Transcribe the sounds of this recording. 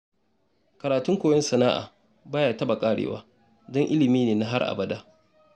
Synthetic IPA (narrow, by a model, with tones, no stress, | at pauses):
kɐ˨ɾaː˨tʊ˦ŋkʷoː˨jɛ˦nsɐ˨naː˦ʔa̰ː˨ | baː˦jaː˨tɐ˦ba˨kʼaː˦ɽḛː˨wa̰ː˦ | dɔ˦ŋʔɪ˦lɪ˨miː˦neː˨na˦ɦa˦rʔa̰˨bɐ˦daː˦